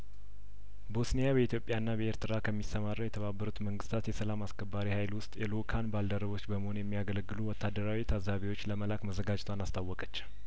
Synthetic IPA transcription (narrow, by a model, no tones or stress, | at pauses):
bosnejabəit̪ʰjo̞pʼjaɨnːabəeɾt̪ʰɨɾakʰəmːisəmaɾːəwjɛt̪ʰəβabːəɾut̪məŋɡɨst̪ʰat̪jɛsəlamaskʰəbːaɾihajlwʊst̪ʼjɛlukʰanbald̪əɾəβo̞t͡ʃːbəməho̞njɛmːijaɡələɡːɨluwɔt̪ʰːad̪ːəɾawit̪ʰazaβiwo̞t͡ʃːləməlakməzəɡad͡ʒt̪ʰwanast̪ʰawːɔkʼət͡ʃː